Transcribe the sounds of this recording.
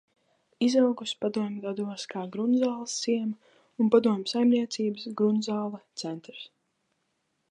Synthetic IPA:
izawɡuspad̪uɔmʲɡad̪uɔskaːɡɾunzaːlˠsːiɛma | unpad̪uɔmʲsajmniɛt̪siːbəsɡɾunzaːlˠɛt̪sɛnt̪ɾs

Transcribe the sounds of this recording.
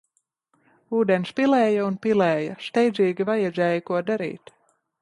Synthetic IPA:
uːd̪ɛnspilˠɛːjaunpilɛːjɐʃt̪ɛjd̪ziːɡʲivajad̪zʲɛːjakuɔd̪aɾḭːt̪

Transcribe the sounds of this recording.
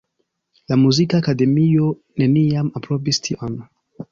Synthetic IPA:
lamuzikaːkade̞mio̞ | ne̞niamapɾo̞vistʰiʔon

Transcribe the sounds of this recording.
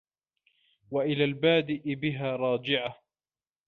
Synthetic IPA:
waʔɪlaːlbaːd̪ɪʔɪbɪɦaːɾˤɑːd͡ʒɪʕa

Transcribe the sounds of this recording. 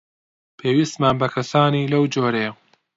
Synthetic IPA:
pʰeːwist̪maːnbɐkʰɐsaːniːlɐwd͡ʒoːɾe

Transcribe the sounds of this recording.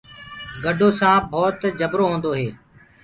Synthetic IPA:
ɡəɖʱoːsãːbʱɔːt̪d͡ʒəbɾoːɦõːnd̪oːɦeː

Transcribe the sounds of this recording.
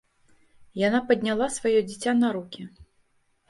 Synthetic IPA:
janapɐd̪ʲnʲalˠasvajɔd͡zʲit͡sʲanaɾukʲi

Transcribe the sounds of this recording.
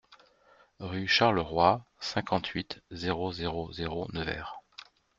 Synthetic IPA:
ʁyʃaʁləʁwasɛ̃kʰɑ̃t̪ʰɥit̪zeʁozeʁozeʁonəvɛ̰ːʁ

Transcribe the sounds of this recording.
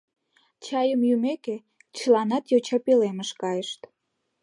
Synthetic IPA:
t͡ɕɑjəmjymeke | t͡ɕəlɑnɑt̪jot͡ɕɑpileməʃkɑjəʃt̪

